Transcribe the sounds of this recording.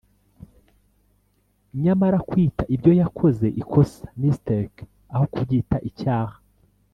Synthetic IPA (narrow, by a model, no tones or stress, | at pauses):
ɲamaɾakwiːtaʔibɟo̞jakʰo̞ze̞ʔikʰo̞sḁmisteɾk | aho̞kubɟitaʔicaːhḁ